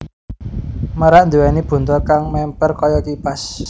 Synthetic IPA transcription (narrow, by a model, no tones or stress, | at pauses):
məɾaʔnd̪uwɛnib̥ṳnt̪ɔkaŋmɛmpərkɔjɔkipas